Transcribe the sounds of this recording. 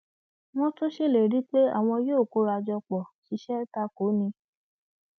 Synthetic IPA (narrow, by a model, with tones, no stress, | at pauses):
w̃ɔ̃˦tũ˦ʃe˦˨le˨ɾi˨˦k͡pe˦a̰˦˨w̃ɔ̃˧joː˦˨ko˨˦ɾa˧d͡ʒɔ˧k͡pɔ˨ʃi˨˧˦ʃɛ˦ta˧ko˨˦nĩ˧